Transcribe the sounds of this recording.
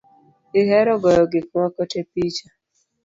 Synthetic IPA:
ɪɦɛɾɔɡɔjɔɡɪkŋɔkɔtepit͡ʃa

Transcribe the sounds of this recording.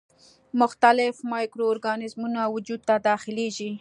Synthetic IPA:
mʊxt̪alɪfmɑjkɾoːɾɡɑnɪzmunawʊd͡ʒud̪̚t̪ad̪ɑxɪleʒi

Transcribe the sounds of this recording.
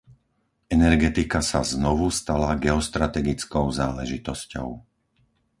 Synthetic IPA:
ɛnɛɾɡɛt̪ikasaznɔʋust̪alaɡɛɔst̪ɾat̪ɛɡit͡skɔʊzaːlɛʒit̪ɔscɔ̰ʊ

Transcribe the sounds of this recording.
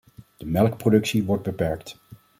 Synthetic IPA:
d̥əmɛlkprodɵksiʋɔɹd̚bəpɛɹkt

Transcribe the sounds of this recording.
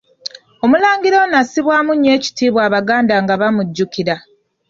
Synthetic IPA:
o̞mulaːŋɡiɾo̞nasiβwaːmuɲːe̞ːci̥tiːβwaːβaɡaːndaːŋɡaβamuɟːukiɾa

